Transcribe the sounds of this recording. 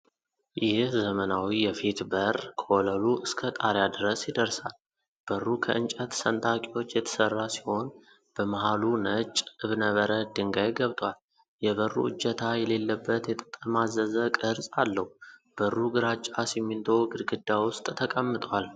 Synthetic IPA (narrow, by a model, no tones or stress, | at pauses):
jɪhzəmənawijɛfit̪bərkʰoləluʔɨskʰət̪ʼaɾjad̪ɨɾəsjid̪əɾsal | b̥ərːukʰəʔɨnt͡ʃʼət̪sənt̪ʰʼakʼiwo̞t͡ʃːjɛt̪ʰə̥sərːasi̥ho̞n | b̥əmaɦalunət͡ʃʼːɨβnəβəɾəd̪ɨŋɡajɡəβt̪ʼwal | jɛβərːṵɨ̰d͡ʒːɛt̪ʰajɛle̞lːəbːət̪jɛt̪ʼə̥tʼːəmazəzəkʼɨɾsʼalːəhub̥ərːuɡɨɾat͡ʃʼːasimːint̪ʰoɡɨɾɡɨd̪ːawʊst̪ʼt̪ʰəkʼəmːɨt̪ʼwal